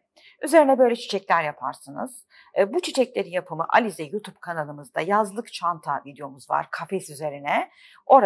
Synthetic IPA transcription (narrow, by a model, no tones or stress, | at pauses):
yze̞ɾinɛbø̞jlʲɛt͡ʃʰi̥t͡ʃʰɛclʲæɾjapʰaɾsɯnɯ̰z̥ | but͡ʃʰit͡ʃʰɛclʲe̞ɾinjapʰɯmɯʔa̰lʲizɛjut̪ʰub̚kʰanalˠɯmɯzd̪ajazlˠɯkt͡ʃʰant̪ʰavid̪ejo̞muzva̰ɾkʰafɛsyze̞ɾinɛ | o̞ɾa